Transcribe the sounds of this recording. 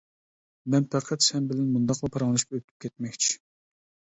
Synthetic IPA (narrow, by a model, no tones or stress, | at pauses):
mɛnpʰæqʰɛt̪sɛnbɪlɛnmund̪ɑqlˠɨpʰɑɾɑŋlˠuʃkɑøt̪ʰy̥p̚kʲʰɛt̪̚mɛkʲt͡ʃʰi̥